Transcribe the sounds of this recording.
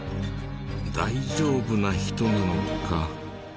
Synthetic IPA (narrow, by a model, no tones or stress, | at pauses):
d̪aid͡ʑo̞ːbɯ̟naçi̥t̪o̞nanoka